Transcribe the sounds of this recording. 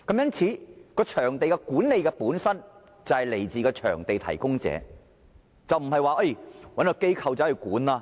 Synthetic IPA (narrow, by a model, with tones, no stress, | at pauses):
kɐ˨˧˥mjɐ˥nt͡sʰiː˨˧˥kɔː˧t͡ʃʰœː˨˩ŋt̪e˨jkɛ˧kuː˨˥nle˨˧jkɛː˧puː˨˥nsɐ˥n | t͡sɐ˨whɐ˨jle˨˩jt͡siː˨kɔː˧t͡ʃʰœ̰ː˨˩ŋt̪e˨jt̪ʰɐ̰˨˩jkʊ˥ŋt͡sɛ̰ː˨˥ | t͡sɐ˨wm̩˨˩hɐ˨jwaː˨ʔɐ˥jwɐ˨˥nkɔ˧ke˥jkʰɐ˨wt͡sɐ˨˥hɐ˨jkuː˨˥nlaː˧